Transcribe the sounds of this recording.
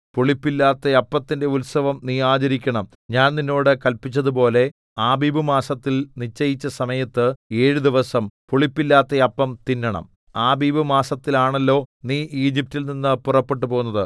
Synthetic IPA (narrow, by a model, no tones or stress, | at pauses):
poɭipːilːaːt̪ːɐɐpːɐt̪ːinde̞ulsɐʋɐmniːaːt͡ɕɐɾikʲːɐɳɐm | ɲaːnninːo̞ːɽɨkɐlpit͡ɕːɐðupo̞ːle̞ | aːbiːbɨmaːsɐt̪ːilnit͡ɕːɐjit͡ɕːɐsɐmɐjɐt̪ːɨe̞ːɻud̪iʋɐsɐmpoɭipːilːaːt̪ːɐɐpːɐmt̪inːɐɳɐ̰m | aːbiːbɨmaːsɐt̪ːilaːɳelːo̞ːniːiːd͡ʑip̚tilninːɨpurɐpːe̞ʈ̬ːupo̞ɣunːɐðɨ